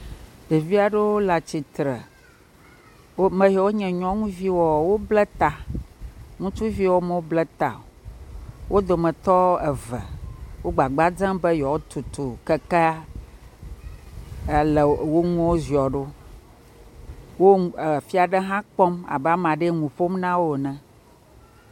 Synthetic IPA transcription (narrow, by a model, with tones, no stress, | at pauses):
be˨vi˦a˨ɖe˦wo˦la˨t͡ɕi˨t̪ɾɛ˨˦ | mɛ̃˨jɔ˨wo˦ɲɛ̃˨ɲɔ̃˦ŋũ˦vi˦wɔ˨wo˦blɛ˦t̪a˨ | ŋũ˦t͡ʃu˦vi˦wɔ˦me˨wo˦blɛ˦t̪a̰˨wʔo˦d̪o˨mɛ̃˨t̪ɔ˦ɛ˨vɛ̰˨wo˦ɡ͡ba˨ɡ͡ba˦d͡zã˦mbɛ˦jɔ˨wo˦t̪u˨t̪o˨kɛ˦kɛ˦˨ | lɛ˨wo˦ŋũ˦wo˦zi˨ɔ˨ɖo˦ | wo˦˨fi˦a˨ɖɛ˦ɦã˦k͡pɔ˦ma̰˨ba˦mã˨ɖe˦ŋũ˨ɸo˦mnã˦wo˨nɛ̃˨